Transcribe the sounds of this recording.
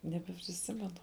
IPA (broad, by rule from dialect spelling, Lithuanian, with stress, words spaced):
nʲɛbʲɛpʲrʲɪˈsʲɪmʲɛnʊ